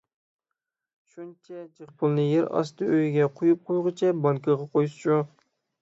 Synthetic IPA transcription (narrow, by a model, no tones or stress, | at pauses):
ʃunt͡ʃʰɛd͡ʒeχpʰʊlˠnɨjeɾɑ̰st̪ɨʔøjɡʲɛqʰʊjup̚qʰojʁɨt͡ʃʰɛbɑŋkʰɨʁɑqʰojusʒo